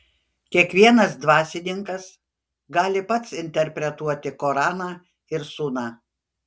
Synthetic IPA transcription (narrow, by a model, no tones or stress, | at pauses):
kʲiɛkʋʲiɛnɐsd̪ʋɑːsʲɪnʲɪŋkɐs | ɡɑːlʲɪpɐt̪sɪnʲt̪ʲɛɾʲpʲɾʲɛt̪uɔt̪ʲɪkoːɾɑːnɑː | ɪɾsuːnɑː